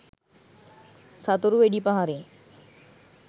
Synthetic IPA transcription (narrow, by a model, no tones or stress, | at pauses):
sat̪oɾuʋeɖipaɦaɾe